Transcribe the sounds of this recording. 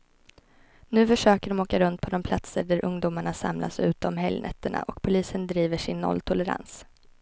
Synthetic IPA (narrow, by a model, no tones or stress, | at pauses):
nʉ̟ːfœʂøːkəɖɔmoːkaɾɵnt̪̚pʰɔd̪ɔmpʰlat̪səɖæɾʔɵŋd̪uːmaɳasa̰mlʔa̰sʉ̟ːt̪əɔmɦɛljnɛ̰t̪ːəɳa̰ʔɔkpʰʊliːsənd̪ɾiːvəʂɪnːɔ̰lːt̪ʰʊləɾa̰ns